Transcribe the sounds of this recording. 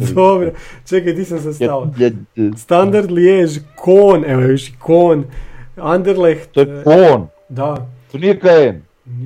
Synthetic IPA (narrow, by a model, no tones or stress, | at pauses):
d̪obɾot͡ʃekajd̪isans̬as̬aʋa | st̪and̪aɾd̪ljeʒkʰoːnɛʋoeʋiʃikʰoːnand̪eɾlext̪okon | d̪at̪oniekaɛn